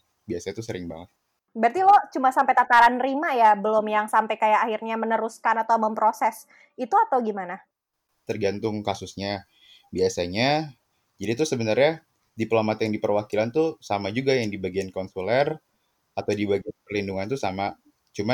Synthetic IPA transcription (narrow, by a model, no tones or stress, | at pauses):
biasaɲat̪usəɾɪŋba̰ŋət̪̚ | bart̪ilɔt͡ʃumasampajt̪at̪aɾanrimajabəlʊmjaŋsampajkajaːhirɲamənəɾuskanat̪awməmpɾosɛs | it̪uat̪awɡimana | t̪ərɡant̪ʊŋkasʊsɲa | biasaɲa | d͡ʒadit̪ʊsəbənarɲa | diplomat̪jaŋdipərwakilant̪usamad͡ʒuɡajaŋdibaɡiankonsulɛr | at̪awdibaɡianpəlinduŋant̪usama | t͡ʃuma